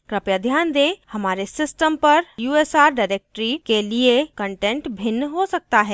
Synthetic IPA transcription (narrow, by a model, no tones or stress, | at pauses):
kɾɐpjəd̪ʱjaːnd̪ẽːhɐmaːɾesɪsʈəmpɐɾjuːeːsaːɾɖaːɪɾeːk̚ʈɾikeliekə̃ɳʈẽːɳʈbʱɪnːɦosɐk̚t̪aɦɛː